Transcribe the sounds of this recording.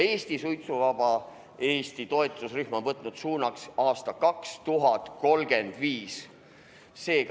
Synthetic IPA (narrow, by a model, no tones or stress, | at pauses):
e̞ːst̪isujt̪suvɑbɑ | e̞ːst̪it̪o̞et̪ˑusryhmo̞nvɤt̪ːˑnud̪̥suːnɑksɑːst̪ɑkɑkst̪uɦɑt̪ko̞lɡ̥e̞nd̪̥viːs | se̞ːk